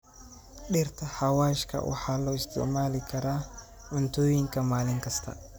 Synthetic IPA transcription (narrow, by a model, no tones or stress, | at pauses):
ɗɪrt̪ʰɐħɑwaːʃkʰɐ̰wʔɑ̰ħɑːlɔːɪst̪ʰɪ̰ʕmaːlɪkʰɐɾaː | ʕʊnt̪ʰɔːjɪŋkʰɐmaːlɪŋkʰɐst̪ʰɐ̰